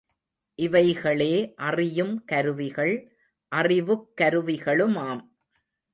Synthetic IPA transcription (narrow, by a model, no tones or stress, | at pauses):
ʔɪʋɐɪɣɐɭeːʔɐrɪjɯmkɐɾɯʋɪɣɐɭ | ʔɐrɪʋɯkːɐɾɯʋɪɣɐɭɯmaːm